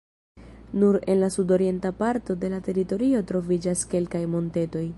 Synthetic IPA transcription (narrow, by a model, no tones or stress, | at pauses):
nuɾe̞nlasudo̞ɾie̞ntapaɾto̞de̞late̞ɾito̞ɾio̞tɾo̞vid͡ʒaske̞lkajmo̞nte̞to̞j